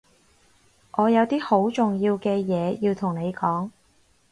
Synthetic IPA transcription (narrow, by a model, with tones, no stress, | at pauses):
ʔɔː˨˧jɐ˨˧wt̪iː˥ho˨˥wt͡sʊ˨ŋjiː˧wkɛː˧jɛː˨˧jiː˧wt̪ʰʊ˨˩ŋne˨˧jkɔː˨˥ŋ